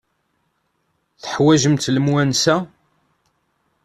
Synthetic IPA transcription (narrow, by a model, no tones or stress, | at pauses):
θə̥ħwæʒəmt̪ləmwænsæ